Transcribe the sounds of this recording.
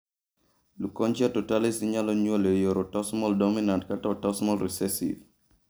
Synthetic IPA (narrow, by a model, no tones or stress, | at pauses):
lukɔnt͡ʃatɔtalisiɲalɔɲwolejoɾɔtɔsmɔldɔminantkatatɔsmɔlɾisɛsḭv